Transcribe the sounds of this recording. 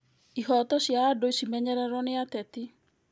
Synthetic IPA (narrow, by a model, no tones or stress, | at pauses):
iɦɔtɔsjaːdoisimɛɲɛɾɛɾɔneatɛti